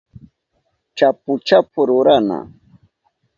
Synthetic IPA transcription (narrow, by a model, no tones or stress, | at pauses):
t͡ʃapʊt͡ʃapʊɾʊɾana̰